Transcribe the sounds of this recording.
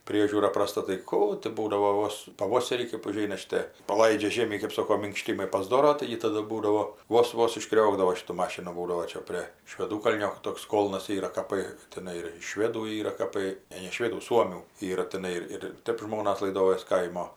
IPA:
ˈpʲrʲiɛʒʲuːrɐ prɐˈstɐ tɐɪ ˈkuː tɐɪ ˈbuːdɐʋoː ˈʋoːs pɐˈʋoːsʲɛrʲiː kɜp ʊˈʒʲɛɪnɐ ʃʲɪˈtʲeː pɐˈlˠɐɪd͡ʒʲɛ ˈʒʲeːmʲiː kɜp ˈsoːkoː mʲɪŋkˈʃʲtʲiːmɐɪ pɐzˈdoːroː ˈtɐɪɡʲɪ ˈtɑːdʊ ˈbuːdɐʋoː ˈʋoːs ˈʋoːs ɪʃˈkrʲoːɡdɐʋoː ˈʃʲɪtʊ ˈmɑːʃʲɪnʊ ˈbuːdɐʋoː ˈt͡ʃʲɛ pʲrʲeː ʃʲʋʲɛˈduːkɐlʲnʲoː ˈtoːks ˈkoːlˠnɐs ˈiːrɐ kɐˈpɜ tʲɛˈnɐɪ ɪr ʃʲʋʲeːduː ˈiːrɐ kɐˈpɐɪ ˈnʲɛ nʲɛ ˈʃʲʋʲeːduː ˈsuɔmʲuː ˈiːrɐ tʲɛˈnɐɪ ɪr ɪr ˈtʲɛp ˈʒmoːnɐs lˠɐɪˈdoːjoːs ˈkɐɪmoː

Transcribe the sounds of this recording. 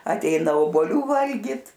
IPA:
ɐtʲˈɛɪnɐ oːboːˈlʲuː ˈʋɐlʲɡʲɪt

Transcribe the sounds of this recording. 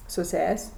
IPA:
sʊ ˈsʲɛsʲ

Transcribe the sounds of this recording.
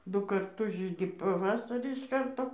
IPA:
ˈdʊ kɐrˈtʊs ˈʒʲiːdʲɪ pɐˈʋɑːsɐrʲiː ɪʃ ˈkɐrtoː

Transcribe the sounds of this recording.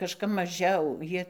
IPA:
kɐʃˈkɐp mɐˈʒʲɛʊ ˈjiɛ

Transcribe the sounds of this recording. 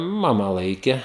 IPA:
ˈmɑːmɐ ˈlˠɐɪkʲɛ

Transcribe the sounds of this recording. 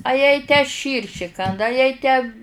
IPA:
ɐ jɛɪ tʲæː ˈʃʲiːrʲʃʲɪ ˈkɐndɐ ɐ jɛɪ tʲæː

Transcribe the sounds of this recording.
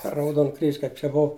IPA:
pʲɛr rɐʊˈdoːn krʲiːʃʲ kɐɪp t͡ʃʲɛ ˈboːw

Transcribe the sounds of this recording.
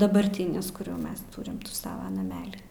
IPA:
dɐbɐrʲˈtʲɪnʲɪs kʊr jɛʊ ˈmʲɛs ˈtʊrʲɪm ˈsɑːʋɐ nɐˈmʲæːlʲɪ

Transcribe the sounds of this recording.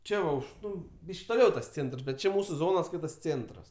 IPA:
ˈt͡ʃʲɛ ʋɐ ˈʊʃ ˈnʊ ˈbʲiːʃʲkʲ toːˈlʲɛʊ tɐs ˈt͡sʲeːntrs bʲɛt ˈt͡ʃʲɪ ˈmuːsʊ ˈzoːnoːs ˈskɐɪtɐs ˈt͡sʲeːntrɐs

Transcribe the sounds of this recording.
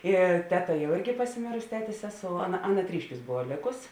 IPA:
ˈɪ ˈtʲæːˌtɐ jɛʊ ˈɪrʲɡʲɪ pɐsʲɪˈmʲeːrʊsʲɪ ˈtʲæːtʲeːs ˈsʲæːˌsoːʊ ˈɑːˌnɐ ˈɑːˌnɐ ˈtʲrʲiːʃʲˌkʲuːs ˈboːʋɐ ˈlʲeːkʊs

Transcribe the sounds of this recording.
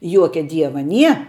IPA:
ˈjuɔkʲɛ ˈdʲiɛʋɐ ˈnʲiɛ

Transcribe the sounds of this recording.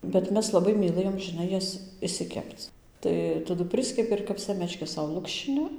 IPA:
bʲɛt ˈmʲɛs lˠɐˈbɐɪ mʲiːˈlˠɘjoːm ʒʲɪˈnɐɪ ˈjɛs ɪʃʲsʲɪˈkʲɛpt͡s ˈtɐɪ tɐˈdʊ ˈpʲrʲɪsʲkʲɛpʲɪ ɪr kɐp ˈsʲæːmʲɛt͡ʃʲkʲɛs ˈsɐʊ ˈlˠʊkʃʲt͡ʃʲɪnʲɪ

